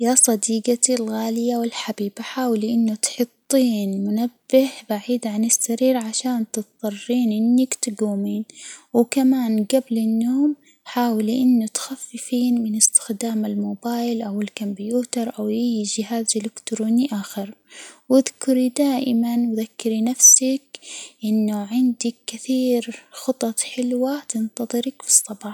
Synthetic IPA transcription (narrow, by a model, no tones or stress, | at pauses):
jasˤɑd̪iːɡat̪ilɣaːlɪjawɪlħabiːbaħaːwliʔɪnːʊt̪ħʊt̪ˤːiːnmʊnabːɪhbaʕiːd̪ʕanɪsːaɾiːɾʕaʃaːnt̪ɨt̪ðˤɑrˤːiːnʔɪnːakt̪ɪɡuːmiːnwɪkamaːnɡablɪnːoːm | ħaːwliʔɪnːʊt̪xafːɪfiːnmɪnɪst̪ɪ̥xd̪aːmalmoːbaːjlʔawɪlkambijuːt̪ɑɾˤʔawjɪjʒɪɦaːzʔɪlɪkt̪ɾoːniʔaːxɪɾwɪðkʊɾid̪aːʔɪmanwðakːɪɾinafsakʔɪnːuʕɪnd̪ɪkːɪθiːɾxʊt̪ˤɑt̪ħɪlwat̪ɪnt̪ɑðˤɨɾɑkfi̥sˤːɑbɑ